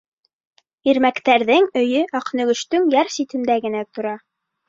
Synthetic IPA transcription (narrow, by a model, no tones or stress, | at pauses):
iɾmækt̪æɾðɘŋɵ̆jɵʔɑqnɵ̆ɡɵ̆ʃt̪ɵŋjæɾsit̪ɘ̆nd̪æɡɘ̆næt̪ŏɾɑ